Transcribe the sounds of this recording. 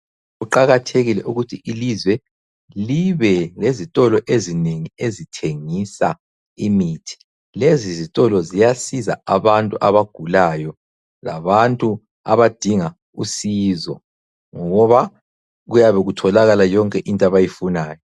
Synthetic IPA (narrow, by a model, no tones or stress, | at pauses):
ɣuǃaɣatʰeɣilɛʔuɣutʰiʔilizwɛ | liβɛlezitʼɔlɔʔezineŋiezitʰeŋisa | imitʰi̥ | lezizitʼɔlɔzijasiza̰aβantʼuʔaβaɡ̥ʱulajɔ | la̰βantʼu | a̰βad̥ʱiŋa | usizɔ̰ | ŋɔɣɔβa | ɣujaβɛɣutʰɔlaɣalajɔŋkʼɛʔintʼaβajifunaːjɔ